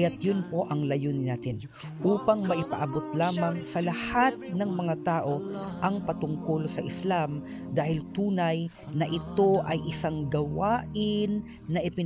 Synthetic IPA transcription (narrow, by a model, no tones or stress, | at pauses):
jat̪jʊnpo̞ʔɐŋlɐjoːnɪnaːt̪ɪn | ʔuːpɐŋmɐʔɪpɐʔɐbot̪̚laːmɐŋsɐlɐhat̪̚nɐŋmɐŋat̪aːʔo̞ʔɐŋpɐt̪ʊŋkolsɐʔɪslam | d̪aːhɪlt̪uːnɐj | nɐʔɪt̪o̞ʔɐjʔɪsaŋɡɐwaːʔɪnː | ɐʔɪpɪ